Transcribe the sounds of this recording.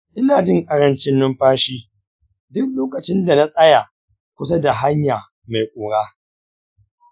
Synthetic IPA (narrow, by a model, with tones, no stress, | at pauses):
ʔɪ˦naː˨d͡ʒɪ˦ŋkʼɐ˨ɾɐ˦nt͡ʃɪ˦nːʊ˦mɸaː˦ʃiː˦ | dʊ˦k̚loː˦kɐ˨t͡ʃɪ˦nda˨na˦sʼɐ˦ja˨ | kʷʊ˦s̬a˦da˨ɦa˦ɲjaː˨ | ma˨jkʷʼʊː˨ɽaː˦